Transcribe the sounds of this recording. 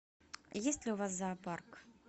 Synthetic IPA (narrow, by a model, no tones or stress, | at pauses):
jesʲtʲlʲɪʊvas̬ːaːpark